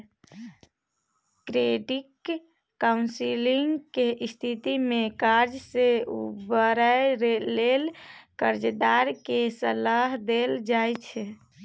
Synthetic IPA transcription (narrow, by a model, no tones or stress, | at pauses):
kɾeɖikː | aunsiliŋɡkeʔist̪ʰit̪imekaɾd͡ʒseubəɾəɾelelkəɾd͡ʒd̪aɾkesəlaɦd̪eld͡ʒajt͡ʃʰɛ